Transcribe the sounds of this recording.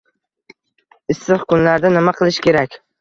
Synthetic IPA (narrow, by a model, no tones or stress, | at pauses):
ɪst̪ɨχkʰʊnlaɾd̪anɪmaqʰɨlˠɪʃkʲʰe̞ɾakʲ